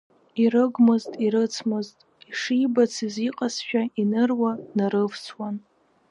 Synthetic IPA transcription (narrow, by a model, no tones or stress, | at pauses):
iɾɨɡʷmɨztʼiɾɨt͡sʰmɨztʼ | iʂibat͡sʰiziqʼasʃᶣainɨrwanaɾɨvsʰwan